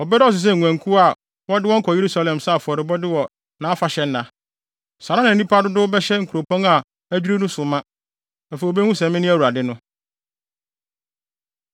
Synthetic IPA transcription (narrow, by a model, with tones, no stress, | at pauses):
ɔ˨bɛ˦ɾɔ˦˨s̬ɪ˨s̬ɛ˦˨ŋʷ˨æ̃˨ŋ˨kʰu˦a˨ | wɔ˦dɪ˦wɔ̃˦ŋ̩˦kʰɔ˨je˨ɾu˦sa˦˨lɛ̃˨msa˦˨fʊ˨ɔ˨ɾɪ˨bɔ˦dɪ˦wɔ˨ | nã˨˦a˦fa˨ɕɛ˦n̩˦nã˨ | sa˨ɾã˦nã˨nĩ˦pʰa˦dʊ˦dʊ˦bɛ˦ɕɛ˦ŋ̩˨kʰu˨ɾo˨pʰɔ̃˦ŋa˨ | æ˦d͡ʑᶣu˦ɾe˦nũ˦sʊ˨mã˦ | a˨fɛ˨o˨be˦hũ˦sɛ̃˨mɪ̃˦nɪ̃˦æ˦wu˨ɾa˨dɪ˦nʊ̃˦